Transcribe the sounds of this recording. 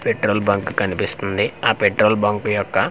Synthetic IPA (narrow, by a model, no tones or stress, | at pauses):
peʈɾoːlbɐŋkkɐnipist̪und̪iaːpeʈɾoːlbɐŋkujɔkːɐ